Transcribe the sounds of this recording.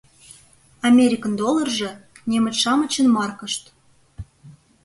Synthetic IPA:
ɑmʲeɾʲikənd̪olˠɤ̆rʒɤ̆ | nʲemə̆t͡ɕʃɑmə̆t͡ɕə̆nmɑrkə̆ʃt̪

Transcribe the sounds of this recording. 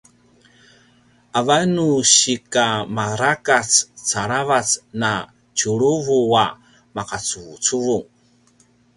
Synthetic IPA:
ʔavanuɕikamaɾakat͡st͡saɾavat͡sna | t͡ɕuɭuvua | maqat͡suvut͡suvuŋ

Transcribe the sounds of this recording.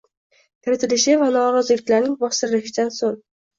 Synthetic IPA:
kʰʲɪɾɪt̪ʰɪlɪʃɪvanɒɾɒzɪlɪkʲlaɾnɪŋbɒst̪ɪɾɪlɪʃɪd̪ansoŋ

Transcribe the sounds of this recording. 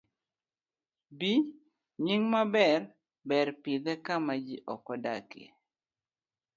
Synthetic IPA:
bi | ɲiŋmabɛr | bɛrpid̪ɛkamad͡ʒiʔɔkɔda̰kḛ

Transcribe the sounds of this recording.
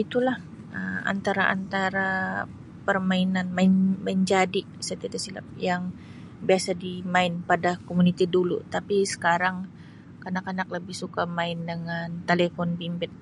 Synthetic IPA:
it̪ulah | əma̰nt̪aɾaʔa̰nt̪aɾa | pərmainanmaɪnmaɪnd͡ʒadi | sət̪iadasila̰p̚jaŋ | biasadimaɪnpadakomunit̪idulṵt̪apisə̥kaɾaŋ | kənakanakləbɪhsukamaɪndəŋant̪elefɔnbimbɪt̪̚

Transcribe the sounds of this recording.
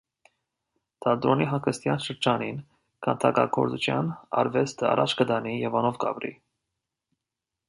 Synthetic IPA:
t̪ʰɑd̪ɾɔniɦɑŋkʰəst̪jɑnʃəɾd͡ʒɑnin | kʰɑnt̪ʰɑkɑ̰kʰɔɾt͡sut͡ʃʰjɑ̰nɑ̰ɾvɛst̪ʰəɑ̰ɾʔɑt͡ʃʰkəd̪ɑnijɛvɑnɔvkɑ̰pɾḭ

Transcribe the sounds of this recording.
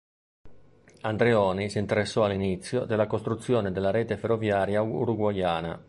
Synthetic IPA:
and̪ɾeɔːnisint̪eɾesːɔalinit̪sːjod̪elːakost̪ɾut̪sːjɔːned̪elːaɾɛːt̪eferːovjaːɾjaṵɾuɡwajaːna̰

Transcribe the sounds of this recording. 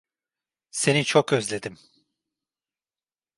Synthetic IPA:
se̞nit͡ʃʰokøzlʲe̞d̪im

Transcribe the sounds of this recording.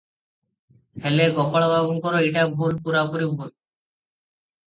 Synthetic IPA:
hɛleɡɔpaɭababonkɔɾoeʈabʱulpuɾapoɾibʱul

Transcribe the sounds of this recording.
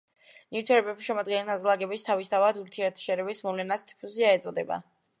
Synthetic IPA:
niɾt̪ʰɛɾɛbɛbsʃɛmad̪ɡɛnɛlazlˠaɡɛbist̪ʰavist̪ʰavad̪uɾt̪ʰiɛɾt̪ʰʃɛɾɛbismɔvlɛnast̪ʰi̥pʰusiaɛt̪sʼɔd̪ɛba̰

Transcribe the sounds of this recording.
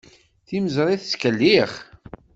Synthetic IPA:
θiməzɾˤiθskəlːiχ

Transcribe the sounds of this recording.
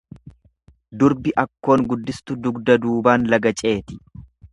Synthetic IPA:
d̪ʊɾbɪʔɐkːo̞ːŋɡʊd̪ːɪst̪ʊd̪ʊɡd̪ɐd̪uːbaːnlɐɡɐt͡ʃʼe̞ːt̪ɪ̥

